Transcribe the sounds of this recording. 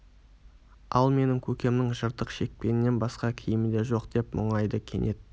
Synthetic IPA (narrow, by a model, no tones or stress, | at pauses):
ɑlˠme̞nɪŋkʲʰɵkʲe̞mnɪŋʒəɾt̪əqʃe̞k̚pe̞nɪnːe̞nbɑsqɑkʲʰijɪmɪd̪e̞ʒo̞qd̪̥e̞pmʊɴɑjd̪əkʲʰe̞̰nʔe̞d̪